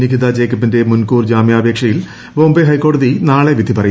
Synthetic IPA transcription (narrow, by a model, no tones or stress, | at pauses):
niɡid̪ad͡ʑejkːɐpːinde̞munkuːrd͡ʑaːmjaːbʱeːkʂɐjil | boːmbeɦɐjkːo̞ːɽɐðinaːɭeʋid̪ʱipɐrɐj